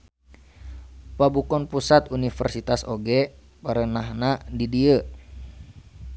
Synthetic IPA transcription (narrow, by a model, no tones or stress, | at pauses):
pabukɔnpusat̪unifərsit̪asoɡɛ | pəɾənaɦnadidiə